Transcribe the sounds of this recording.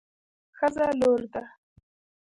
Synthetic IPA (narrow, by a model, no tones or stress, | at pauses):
xəzaloːɾd̪a